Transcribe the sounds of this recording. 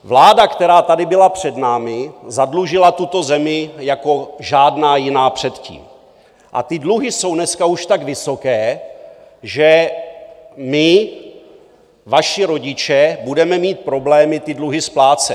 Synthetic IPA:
vlaːdakt̪ɛɾaːt̪adɪbɪlapr̝̥ɛdnaːmɪzadluʒɪlat̪ut̪o̞zɛmɪjako̞ʒaːdnaːjɪnaːpr̝̥ɛt̪cḭːm | ʔa̰t̪ɪdluɦɪso̞wnɛskauʃt̪aɡvɪso̞kɛː | ʒɛ | mɪ | vaʃɪɾo̞ɟɪt͡ʃɛbudɛmɛmiːt̪̚pɾo̞blɛːmɪt̪ɪdluɦɪsplaːt͡sɛ

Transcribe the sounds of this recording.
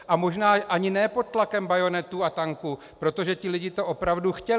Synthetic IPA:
ʔamo̞ʒnaːʔaɲɪnɛːpo̞t̪̚t̪lakɛmbajo̞nɛt̪uat̪aŋku | pɾo̞t̪o̞ʒɛc̪ɪlɪɟɪt̪o̞ʔo̞pɾavduxcɛl

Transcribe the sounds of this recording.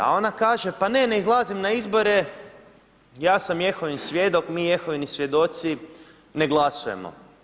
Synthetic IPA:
a̰o̞nakaːʒe̞pane̞ne̞izlˠazimnaizbo̞ɾe̞ | jaːsamje̞xoʋinisʋʲje̞d̪o̞kmiːje̞xoʋinisʋje̞d̪o̞t̪si | ne̞ɡlˠasuje̞mo̰

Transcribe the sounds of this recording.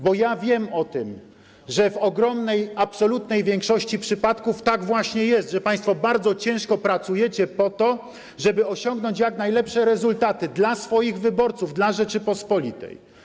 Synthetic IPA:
bɔjavʲjɛmɔt̪ɘm | ʐɛvɔɡɾɔmnɛjapsɔlut̪nɛjvʲjɛŋkʂɔɕt͡ɕipʂɘpat̪kuft̪aɡvwaɕɲɛjɛst̪ʐɛpaj̃st̪fɔbaɾd̪zɔt͡ɕɛ̃w̃ʂkɔpɾat̪sujɛt͡ɕɛpɔt̪ɔ | ʐɛbɘɔɕɔŋɡnɔɲt͡ɕjaknajlɛpʂɛɾɛzult̪at̪ɘd̪lasfɔjiɣvɘbɔɾt̪suvd̪laʐɛt͡ʂɘpɔspɔlʲit̪ɛ̰j

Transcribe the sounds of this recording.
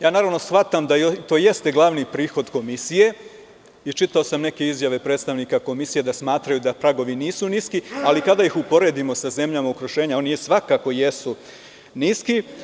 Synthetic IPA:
jaːnaːɾaʋno̞sxfʋat̪amd̪aot̪oːje̞st̪eɡlˠaʋnipɾiːxo̞d̪ko̞misije̞ | it͡ʃit̪ao̞samneke̞izjaʋe̞pɾe̞ːt̪st̪aʋniːkako̞misije̞d̪asmaːt̪ɾajud̪apɾaɡo̞ʋiniːsuniskialikad̪aixupo̞ɾe̞d̪imo̞saze̞mʎamaukɾuʃe̞ːɲao̞nijesʋakako̞je̞su | niski

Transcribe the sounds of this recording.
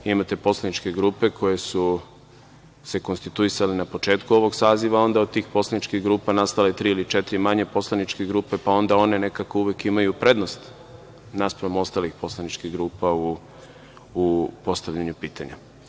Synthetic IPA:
imat̪e̞po̞slˠanit͡ʃke̞ɡɾuːpe̞kʰo̞je̞su | se̞ko̞nst̪it̪uisalenapo̞t͡ʃe̞ːt̪kuo̞ʋo̞ɡsaːziʋao̞nd̪aod̪̚t̪ːiːxpo̞slanit͡ʃkiɣɡɾuːpanast̪alet̪ɾiilit͡ʃe̞t̪iɾimaɲe̞po̞slˠanit͡ʃkeɡɾuːpe̞pao̞nd̪ao̞ne̞ne̞kako̞uʋekimajupɾe̞d̪nost̪ | naspɾaomo̞st̪aːlixpo̞slˠanit͡ʃkiɣɡɾuːpauː | po̞st̪aʋʎaɲupiːt̪ʰa̰ɲa̰

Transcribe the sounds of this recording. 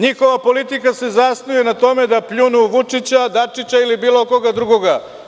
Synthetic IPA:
ɲixo̞ʋapo̞lit̪ikase̞zasnujenat̪o̞me̞d̪apʎunuʋut͡ʂit͡ɕad̪at͡ʂit͡ɕailibiːlˠoko̞ɡad̪ɾuɡoɡa

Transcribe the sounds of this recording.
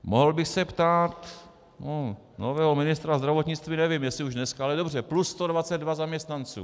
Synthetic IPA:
moɦl̩bɪxsɛpt̪aːt̪ | o | novɛːɦomɪnɪst̪ɾazd̪ɾavot̪ɲɪt͡st̪viːnɛvɪmjɛsɪuʒdnɛskaalɛdo̞br̝ɛplusst̪odvat͡sɛd̪dvazamɲɛst̪nant͡sṵː

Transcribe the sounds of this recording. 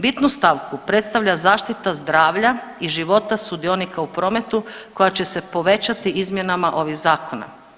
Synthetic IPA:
bit̪nust̪aʋkupɾe̞t̪st̪aʋʎazaːʃt̪it̪azd̪ɾaːʋʎa | iʒiʋo̞t̪asud̪io̞nikaupɾo̞ːme̞t̪uko̞jat͡ɕe̞se̞po̞ʋe̞t͡ɕat̪iizmje̞namaʔo̞ʋiɣzaːko̞na̰

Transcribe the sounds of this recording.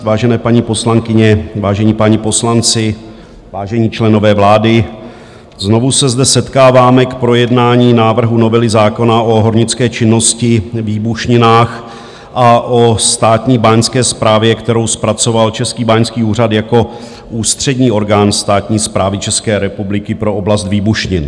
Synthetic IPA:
vaːʒɛnɛːpaɲipo̞slaŋkɪɲɛvaːʒɛɲiːpaɲɪpo̞slant͡sɪ | vaːʒɛɲiːt͡ʃlɛno̞vɛːvlaːdɪ | zno̞vusɛzdɛsɛt̪kaːvaːmɛkpɾo̞jɛdnaːɲiːnaːvr̩ɦuno̞vɛlɪzaːko̞naʔo̞ɦo̞ɾɲɪt͡skɛːt͡ʃɪnːo̞scɪviːbuʃɲɪnaːx | ʔaʔo̞st̪aːt̪ɲiːbaɲskɛːspɾaːvjɛkt̪ɛɾo̞wspɾat͡so̞valt͡ʃɛskiːbaɲskiːuːr̝at̪jako̞ | ʔuːst̪r̝̥ɛdɲiːo̞ɾɡaːnst̪aːt̪ɲiːspɾaːvɪt͡ʃɛskɛːɾɛpublɪkɪpɾo̞oblast̪viːbuʃɲɪn

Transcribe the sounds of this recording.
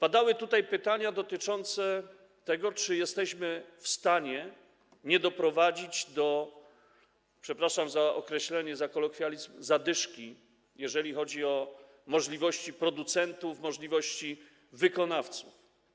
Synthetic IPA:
pad̪awɘt̪ut̪ajpɘt̪aɲad̪ɔt̪ɘt͡ʂɔnt̪sɛ | t̪ɛɡɔt͡ʂɘjɛst̪ɛɕmɘfst̪aɲɛ | ɲɛd̪ɔpɾɔvad͡ʑid͡ʑd̪ɔ | pʂɛpɾaʂamzaʔɔ̰kɾɛɕlɛɲɛzakɔlɔkfʲjalʲizmzad̪ɘʂkʲi | jɛʐɛlʲixɔd͡ʑiɔ | mɔʐlʲivɔɕt͡ɕipɾɔd̪ut̪sɛnt̪ufmɔʐlʲivɔɕt͡ɕi | vɘkɔnaft̪suf

